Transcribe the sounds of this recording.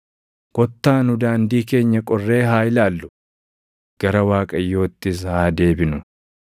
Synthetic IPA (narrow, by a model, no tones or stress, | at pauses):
ɡ̥ɔt̪ːaːnʊd̪aːnd̪iːke̞ːɲːɐkʼɔrːe̞ːɦaːɪlaːlːʊ̥ | ɡ̥ɐɾɐwaːkʼɐjːo̞ːt̪ːɪs̬haːd̪e̞ːbɪnʊ